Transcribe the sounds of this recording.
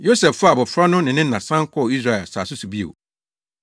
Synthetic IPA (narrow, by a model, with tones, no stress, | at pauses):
jo˦sɛ˨ffa˦a˨bɔ˨fɾa˦nʊ̃˦nɪ̃˨nɪ̃˦nã˨sã˦ŋ˦kʰɔ˦ɔ˨i˦sɾa˦˨ɛ˨lsaː˨sʊ˦su˨bi˦ḛ˨